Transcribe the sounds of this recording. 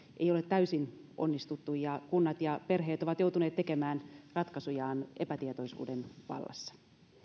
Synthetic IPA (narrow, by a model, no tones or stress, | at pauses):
ʔejolet̪tæysinʔo̞̰nːist̪ut̪ːujjɑkunːɑt̪jɑpe̞rɦeːt̪o̞ʋɑt̪jout̪uneːt̪ːeke̞mæːnrɑt̪kɑsujɑːnʔepæt̪iet̪ojsṵːdenʋɑ̰lːɑ̰sːɑ̥